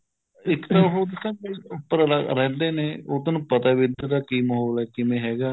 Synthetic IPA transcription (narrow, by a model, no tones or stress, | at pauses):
ɪkt̪əɾfod̪ɪsãeʊpːəɾaɾɛːnd̪eːneːoːt̪onũːpət̪aːʋɪd̪ad̪aːkiːmɦoːlɛːkɪmẽːɦɛːɡaː